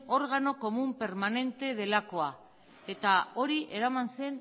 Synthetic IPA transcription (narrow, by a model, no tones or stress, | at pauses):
o̞ɾɣ̞ano̞ko̞mumpe̞ɾmane̞nt̪e̞ðe̞lako̞a | e̞t̪ao̞ɾiʔe̞ɾamanse̞n